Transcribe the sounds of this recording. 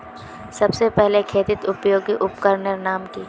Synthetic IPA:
sɐbsepɛɦlekʰeːt̪ɪt̪ʊpjoːɡiʔʊpkəɾnəɾnaːmkiː

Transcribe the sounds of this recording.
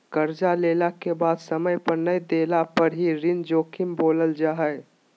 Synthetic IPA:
kəɾd͡ʒaleːlakebaːd̪səməjpəɾnəjd̪eːlapəɾɦiɾɪnd͡ʒoːkʰɪmboːləld͡ʒaːɦəj

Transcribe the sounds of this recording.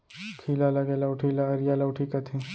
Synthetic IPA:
kʰiːlalɐɡelawʈʰiːlaɐɾjalawʈʰikat̪ʰẽː

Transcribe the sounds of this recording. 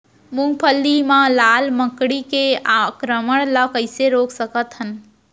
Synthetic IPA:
muŋɡpʰəlːimãlaːlmə̃kɽikeakɾəməɽ̃ləkəɪseɾoːksəkət̪ɦən

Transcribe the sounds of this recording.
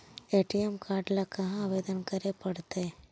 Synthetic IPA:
eʈiemkʰaɾɖlakəɦãːʋed̪ənkəɾepəɽt̪e

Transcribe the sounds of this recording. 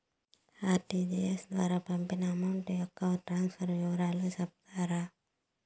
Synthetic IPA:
aːʈid͡ʒiesd̪ʋaːɾapɐmpinɐːmɐwɳʈejɔkːaʋʈɾaːnsfʰɐɾʋiʋɐɾaːlusɐp̚t̪ʰaːɾa

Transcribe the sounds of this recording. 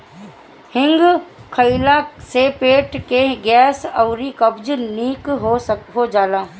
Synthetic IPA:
hɪ̃ŋɡkʰəɪlasepeːʈkeɡɛːsɔʊɾikəbd͡ʒniːkɦoɦod͡ʒaːlaː

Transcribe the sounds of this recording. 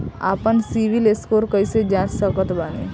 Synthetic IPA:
a̰ːpənsiʋileskoːɾkəised͡ʒaːɾsəkət̪baːnḛː

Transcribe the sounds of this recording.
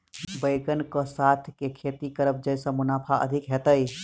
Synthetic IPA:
bəɪɡənkə̃sat̪ʰkekʰet̪ikəɾəp̚d͡ʒəjsə̃munapʰaə̰d̪ʱikɦet̪əj

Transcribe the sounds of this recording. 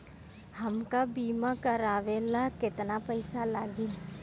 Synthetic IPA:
hɐmkabiːmakɐɾaːʋeːlakɪt̪napɛɪsalaːɡiː

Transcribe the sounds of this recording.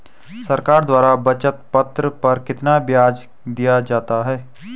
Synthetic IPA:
səɾkaːɾd̪waːɾabɐt͡ʃət̪pɐt̪ɾəpɐɾkɪt̪nabjaːd͡ʒ | d̪ijad͡ʒaːt̪aɦɛː

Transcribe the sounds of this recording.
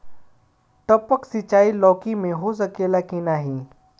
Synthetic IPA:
ʈəpəksɪt͡ʃaːilɔːkimẽɦos̬əkeːlakĩnaːɦĩː

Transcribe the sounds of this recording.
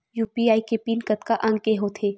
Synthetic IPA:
juːpiaːikepiːnkət̪kaʔɐ̃ŋɡkeɦoːt̪ʰeː

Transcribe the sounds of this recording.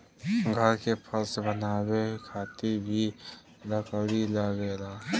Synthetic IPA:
ɡʱəɾkepʰəlsebənaːbekʰaːt̪iɾbʱi | ləkəɽiləɡelaː

